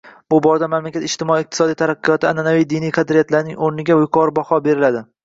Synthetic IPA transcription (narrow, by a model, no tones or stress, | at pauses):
b̥ʊbɒɾad̪amamlakʲat̪ɪʃt̪ɪmɒiːq̚t̪ʰɪ̥sɒd̪ijt̪ʰaɾaqʰːɨjɒt̪ʰɪananavijd̪ɪnijqʰɑd̪ɾijat̪laɾnɪŋoɾnɪɡʲaʊjqʰɒɾbɒhɒbe̞ɾɪlad̪ɪ